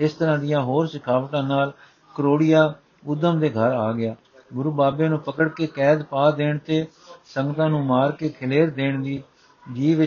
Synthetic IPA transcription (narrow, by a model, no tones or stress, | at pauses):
ɪst̪əɾãːd̪ɪjãːɦoːɾsɪkʰaːʋʈãːnaːl | kəɾoːɽɪjaː | ʊd̪ːəmd̪eːɡʱəɾaːɡɪaː | ɡʊɾuːbaːbeːnũːpəkəɽkeːkɛːd̪paːd̪eːɳt̪eː | səŋɡət̪ãːnũːmaːɾkeːkʰɪleːɾd̪eːɳd̪iː | d͡ʒiːʋɪ